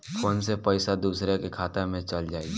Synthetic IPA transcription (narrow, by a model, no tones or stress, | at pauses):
fʰoːnsepəɪsad̪uːsɾekekʰaːt̪emẽt͡ʃəld͡ʒaːi